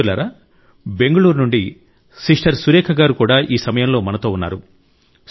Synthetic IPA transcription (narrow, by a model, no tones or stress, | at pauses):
la̰ːɾaː | be̞ŋɡɐɭuːɾnuɳɖi | siʂʈɐɾsuɾɛːkʰɐɡaːɾukuːɽaːʔiːsɐmɐjɐmlo̞ːmɐnɐt̪o̞ːunːa̰ːɾu